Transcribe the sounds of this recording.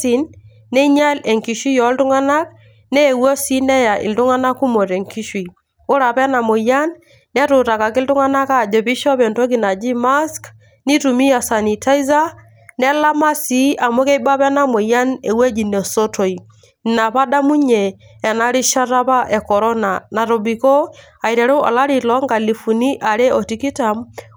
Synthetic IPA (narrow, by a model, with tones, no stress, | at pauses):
i˨nː | ɛ˦ɲa˦le˨ŋki˨ʃi˦jɔ˨˦ltʊ˦ŋa˦na˦k̚ | nɛː˦˨wo˦si˦nɛ˦ja˨ʔɪ̰˨ltu˦ŋa˦na˦kːu˦mo˨te˨ŋki˦ʃwi˨ | ʊ˦ɾa˨pɛ˦na˨mʊ˨ja˦nː | ɛ˦tʊ˨ta˨ka˨kɪ˦ltʊ˦ŋa˦na˦ka˦˨d͡ʒɔ˨pi˦ʃɔ˦pɛ˨nto˦ki˨na˨d͡ʒi˦ma˦sk | ni˦tu˨mi˦ja˨sa˨ni˨ta˦i˦za˦ | nɛ˦la˦ma˦si˦a˨mɔ˦kɛ˦i˦ba˦pɛ˦na˦mɔ˨ja˦nɛ˨we˦d͡ʒi˨nɛ˨so˦to˨i˨ | na˨pa˦da˦mu˦ɲɛː˨ | na˦ɾi˦ʃa˦ɾa˦pa˦ʔɛ˨kɔ˨ɾɔ˦na˨na˨ɾɔ˨bi˨kɔ˦ | a˨i˨ɾɛ˨ɾu˦ɔ̰˨la˦ɾi˨lɔ˨˦ŋɡa˨li˨fu˨ni˦ʔa˨ɾɛ˦ʔɔ˨ti˨˦ki˦ta˨m